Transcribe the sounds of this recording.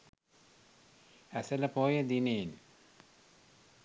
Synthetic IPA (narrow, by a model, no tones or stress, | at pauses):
æsələpoːjəd̪inen